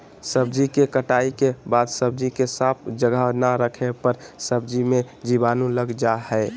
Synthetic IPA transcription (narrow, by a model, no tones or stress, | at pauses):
səbd͡ʒikekəʈaːikebaːd̪səb̚d͡ʒikesap̚ʰd͡ʒəɡʱanaɾəkʰepəɾsəbd͡ʒimẽ | d͡ʒibaːnũləɡd͡ʒahɛɪ